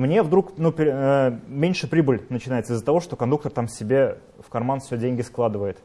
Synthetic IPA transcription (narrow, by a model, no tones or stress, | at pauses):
mnʲe̞vd̪ɾuknupʲɪəmʲenʲʂɨpɾʲibɨlʲnət͡ɕɪnajɪt̪səɨɪzːət̪ɐvo̞ʂt̪o̞kɐnd̪uk̚t̪ərt̪amsʲɪbʲe̞ | fkɐrmanfʲsʲɵdʲenʲɡʲɪsklˠad̪ɨvəjɪt̪